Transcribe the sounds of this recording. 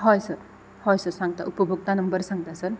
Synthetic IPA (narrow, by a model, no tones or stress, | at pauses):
ɦɔjsəɾ | hɔjsəɾsaŋt̪a̰ʔupɔbʱuk̚t̪anɔmbəɾsaŋt̪asəɾ